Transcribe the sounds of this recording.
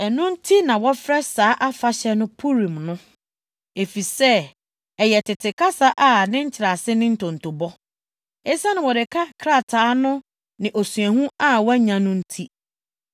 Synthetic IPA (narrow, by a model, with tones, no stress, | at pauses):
ɛ˨nʊ̃˦n̩˦tʰi˦nã˨wɔ˦fɾɛ˦saː˦ʔa˦fa˦ɕɛ˦nʊ̃˦pʰu˦ɾĩ˨mnʊ̃˦ | e˨fi˨sɛ˦ | ɛ˨jɛ˨tʰɪ˨tʰɪ˨kʰa˦sa˦ʔa˨nɪ̃˦ɲ̩˦t͡ɕʰɪ˨ɾa˨sɪ˦nɪ̃˦n̩˦tʰɔ̃˨n̩˨tʰo˨bɔ˦ | ɛ˦sa˦nɪ̃˨wɔ˨dɪ˨kʰa˦kʰɾa˦˨tʰaː˨˦nʊ̃˦ | nɪ̃˨ʔo˨su˨ɛ˨hũ˦a˦wɔ˦ɲã˨nʊ̃˦n̩˦tʰi˦